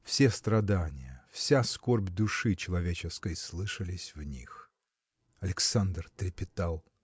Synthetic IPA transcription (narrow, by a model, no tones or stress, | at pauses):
fsʲest̪ɾɐd̪anʲɪ̰jəfsʲaskorbʲd̪ʊʂɨt͡ɕɪlˠɐvʲet͡ɕɪskəjslˠɨʂəlʲɪsʲvnʲḭx | ɐlʲɪksand̪rt̪ɾʲɪpʲɪt̪alˠ